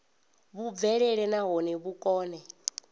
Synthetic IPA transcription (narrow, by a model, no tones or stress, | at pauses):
βuvɛɺɛɺɛnaɦɔnɛβukʼɔːnɛ